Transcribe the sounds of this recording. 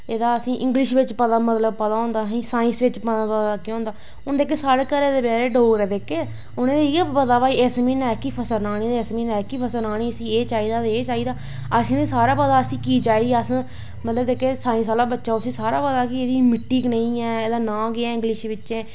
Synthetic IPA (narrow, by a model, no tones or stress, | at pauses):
eːd̪aːəsĩːʔɪ̃ŋɡlɪʃʋɪt͡ʃpət̪aːmət̪ləbpət̪aːõːnd̪aːɦĩːsãːɪ̃sʋɪt͡ʃpəapət̪akɪõːnd̪aː | ʊnd̪eːkeːsaːɽeːkəɾeːd̪eːbɛːɾeːɖoːɡɾɛːd̪eːkeː | ʊnẽːd̪iːpəd̪aːʋaːiːɛsmiːnɛːkipʰəsəɾnaːɽ̃ĩːd̪eːsmiːnɛːkipʰəsəɾnaːɽ̃iːəsĩːeːt͡ʃaːiːd̪aːd̪eːt͡ʃaːiːd̪aː | əsĩːd̪eːsaːɾaːpəd̪aːəsĩːkiːt͡ʃaːiːdiːəs | mət̪ləbd̪eːkeːsaːĩːs̬aːlaːbətːʃaːʊsĩːsaːɾaːpəd̪aːkɪeːd̪iːmɪʈːiːknəĩːɛːeːd̪aːnãːɡɪaːɪ̃ŋɡlɪʃʋɪt͡ʃẽː